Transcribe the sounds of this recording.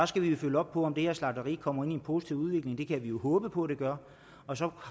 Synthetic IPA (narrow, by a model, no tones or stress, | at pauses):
ɑsɡ̥æʋijo̝føləɒ̽b̥̚pʰɒ̽ɒ̽md̥e̝heɐslɑ̈d̥əʁḭːkʰɒ̽m̰ɐe̝n̰ienpʰo̝si̥t͡sʰiʊ̰uð̞ˠʋe̝ɡ̥le̝ŋd̥e̝kʰæʋijo̝hɔ̽ːb̥əpʰɒ̽æɾ̥e̝ɡ̥ɶɐ | ɒ̽sɒ̽